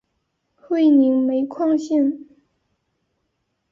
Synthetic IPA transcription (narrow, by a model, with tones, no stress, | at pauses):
xwe˥˩ɪni˧˥ŋme˧˥ɪkʰwɑ˥˧ŋɕi˥˩n